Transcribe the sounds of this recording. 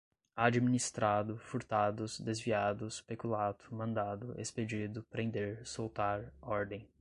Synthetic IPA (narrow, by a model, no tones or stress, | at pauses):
ad͡ʒiminist̪ɾad̪ʊfuɾt̪ad̪ʊzd̪ezviad̪ʊspekulat̪ʊ̥mɐ̃nd̪ad̪ʊḛsped͡ʒid̪ʊpɾẽnd̪eɾsowt̪aɾɔɾd̪ẽj̃